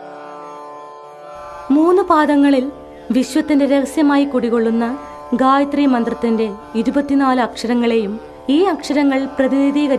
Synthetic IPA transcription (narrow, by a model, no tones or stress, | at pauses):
muːnːubaːd̪ɐŋːɐɭil | ʋiɕwɐt̪ːinde̞ɾeɣɐsjɐmaːjikːuɽiɣo̞ɭːunːɐ | ɡaːjɐt̪rijmɐnd̪rɐt̪ːinde̞iɾubɐt̪ːinaːlɨɐkʂɐɾɐŋːɐɭe̞jum | iːɐkʂɐɾɐŋːɐɭprɐðiniðiːɣɐɾ